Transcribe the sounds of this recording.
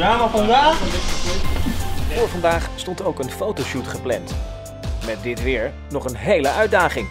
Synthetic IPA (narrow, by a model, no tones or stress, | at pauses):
aːməfɑndaːχ | fʊːɹvɑndaːχstɔntowkənfowtowʃutχəplɛ̰nt | mɛt̚dɪtʋɪːɹ | nɔχənɦejləʔœɥdaːχɪŋ